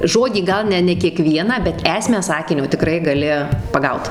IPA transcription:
ˈʒoːdʲiː ˈɡɐlˠ nʲɛ nʲɛ kʲiɛˈkʋʲiɛnɑː bʲɛt ˈæːsʲmʲæː ˈsɑːkʲɪnʲoː tʲɪˈkrɐɪ ɡɐˈlʲɪ pɐˈɡɐʊt

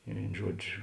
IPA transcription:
ɪ ˈʋʲeːɪn ˈʒuɔd͡ʒʲʊ

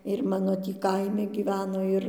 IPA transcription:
ɪr ˈmɑːnoː ˈtʲiː ˈkɐɪmʲɪ ɡʲiːˈʋʲæːnoː ˈɪr

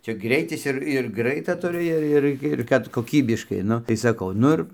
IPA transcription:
ˈt͡ʃʲɛ ˈɡrʲɛɪtʲɪs ɪr ɪr ˈɡrɐɪtɐ tʊˈrʲɪ ˈɪr ˈɪr ɪr ˈkɐt koːˈkʲiːbʲɪʃkɐɪ ˈnʊ tɐɪ sɐˈkɐʊ ˈnʊ ɪr

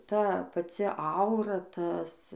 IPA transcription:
ˈtɐ pɐˈt͡sʲɪ ˈɐʊrɐ ˈtɐs

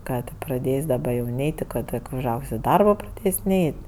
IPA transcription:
ˈkɑː tʲeː prɐˈdʲeːsʲ dɐˈbɐ jɛʊ ˈnʲɛɪtʲ tʲɪ ˈkoː tʲɪk ʊʒˈɐʊkʲsʲ ɪ ˈdɐrboː prɐˈdʲeːsʲ ˈnʲɛɪtʲ

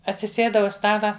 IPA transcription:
ɐtʲsʲɪˈsʲeːdɐ ʊʃ ˈstɑːlˠɐ

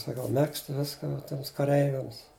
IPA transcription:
sɐˈkɐʊ ˈmʲɛkst ˈʋʲɪskɐ ʋɐ ˈtʲiɛms kɐˈrʲɛɪʋʲɛms

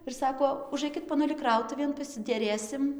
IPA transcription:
ɪr sɐˈkoː ʊˈʒɐɪkʲɪt poːˈnʊlʲɪ ˈkrɐʊtʊʋʲeːn pɐsʲɪdʲɛˈrʲeːsʲɪm

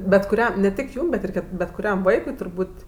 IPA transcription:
bʲɛt kʊˈrʲɛm nʲɛ ˈtʲɪk ˈjuːm bʲɛt ˈɪr bʲɛt kʊˈrʲɛm ˈʋɐɪkʊɪ tʊrˈbuːtʲ

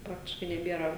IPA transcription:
ˈprɑːktʲɪʃkɐɪ nʲɛˈbʲeːrɐ

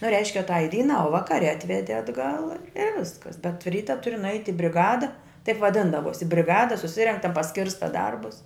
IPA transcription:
nʊ ˈrʲɛɪʃʲkʲɛ tɐɪ ˈdʲiːnɑː ʊ ˈʋɑːkɐrʲɛ ˈɑːtʲʋʲɛdʲɪ ɐdˈɡɐlˠ ɪ ˈʋʲɪskɐs bʲɛt ˈrʲiːtɐ ˈtʊrʲɪ nʊˈɐɪtʲɪ bʲrʲɪˈɡɑːdɐ tɐɪp ʋɐˈdʲɪndɐʋoːsʲɪ bʲrʲɪˈɡɑːdɐ sʊˈsʲɪrʲɛŋk tɐ pɐˈsʲkʲɪrstɐ ˈdɐrbʊs

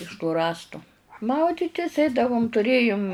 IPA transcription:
ɪʃ tuː ˈrɑːstʊ ˈmɐʊdʲɪtʲɪs ˈɛɪdɐʋʊm tʊˈrʲeːjʊm

